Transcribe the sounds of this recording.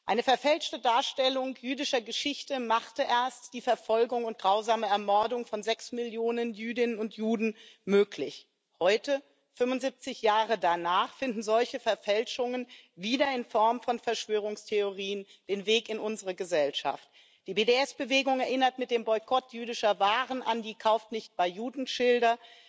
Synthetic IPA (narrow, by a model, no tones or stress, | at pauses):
ʔaɪnəfɛɐfɛlʃtədaːɐʃtɛlʊŋjyːdɪʃɐɡəʃɪçtəmaχtəʔeːɐstd̥iːfɛɐfɔlɡʊŋʊntɡ̥ʁaʊzaːməɛɐmɔɐdʊŋfɔnzɛksmɪljoːnənjyːdɪnənʊntjuːdn̩møːkʰlɪç | hɔʏtə | fʏmʊntzip̚t͡sɪçjaːʁ̞ədanaːχfɪndn̩zɔlçəfɛɐfɛlʃʊŋənviːdɐɪnfɔɐmfɔnfɛɐʃv̥øːʁ̞ʊŋstʰeoʁiːən | d̥eːnveːkɪnʔʊnzəʁəɡəzɛlʃa̰ft | d̥iːbeːdeɛsb̥əveːɡʊŋɛɐʔɪnɐtmɪt̚d̥eːmbɔʏkʰɔtʰjyːdɪʃɐvaːʁənʔandiːkʰaʊftnɪçt̚b̥aɪjuːdn̩ʃɪldɐ